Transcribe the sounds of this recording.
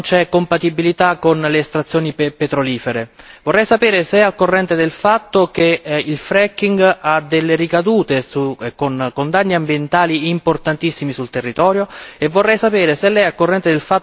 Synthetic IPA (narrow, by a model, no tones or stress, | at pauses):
nt͡ʃɛkːompat̪ibilit̪akːonleːst̪ɾat̪sːjoːnipet̪ɾoliːfeɾevorːɛjsapɛːɾeseɛakːorːɛnt̪ed̪elfat̪ːok̟eilfɾɛkːiŋɡad̪elːeɾikad̪uːt̪esukonkond̪anːiambjent̪aːliimport̪ant̪isːimisult̪erːit̪ɔːɾjoevːorːɛjsapeːɾeselːɛjakːorːɛnt̪ed̪elfa